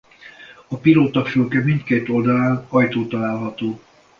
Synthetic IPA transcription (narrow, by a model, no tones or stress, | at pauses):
ɒpiloːt̪ɒfylkɛmint̪keːt̪o̞ld̪ɒlaːnɒjt̪oːt̪ɒlaːlɦɒt̪oː